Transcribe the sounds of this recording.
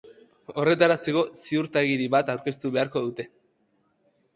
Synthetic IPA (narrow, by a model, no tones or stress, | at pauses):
o̞re̞t̪aɾat͡se̞ko̞siuɾt̪aɣiɾiβat̪awɾke̞st̪uβe̞aɾko̞ðut̪e̞